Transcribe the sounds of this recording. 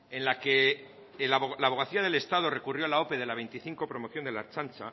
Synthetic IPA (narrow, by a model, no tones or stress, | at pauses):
ẽ̞nlake̞ | lalaβ̞o̞ɣ̞aθiað̞e̞le̞st̪að̞ore̞kurjo̞alao̞pe̞ðe̞laβ̞e̞jnt̪iθiŋko̞pɾo̞mo̞θjond̪e̞la̰ɾt͡ʃant͡ʃa